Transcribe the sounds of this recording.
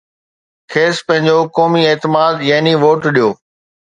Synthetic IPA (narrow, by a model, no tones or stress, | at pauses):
kʰeːspɐ̃ɦɪ̃ɲd͡ʑokɔːmieːt̪ɪmaːd̪jaːɦniʋoːʈɗijoː